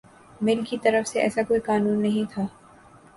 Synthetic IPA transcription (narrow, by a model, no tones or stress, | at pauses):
mɪlkit̪ɐɾəfseʔɛ̰ːsakoːikaːnũːnːɐɦĩt̪ʰaː